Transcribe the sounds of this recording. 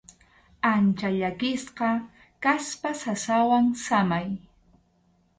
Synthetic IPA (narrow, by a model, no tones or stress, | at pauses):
ant͡ʃaʎakɪsqɑ | kaspasasawaŋsamaj